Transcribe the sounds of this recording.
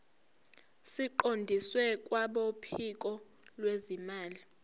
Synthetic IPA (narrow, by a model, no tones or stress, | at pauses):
siǃondʱiswɛk̬ʼwaɓopʰik̬ʼɔ | lwezimaːli